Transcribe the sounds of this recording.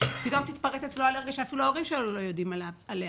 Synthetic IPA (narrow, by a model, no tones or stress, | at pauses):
pit̪omt̪it̪paʁet̪et͡ssloaleeɡaʃeafiluaoʁimʃeolo̞jod̪imalaalea